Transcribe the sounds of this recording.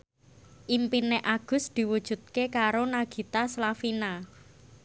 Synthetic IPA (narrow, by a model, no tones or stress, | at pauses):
ʔimpineʔaɡ̥ʊ̤sd̪̥i̤wud̥ʒ̥ṳt̪̚kekaɾonaɡ̥i̤t̪aslafina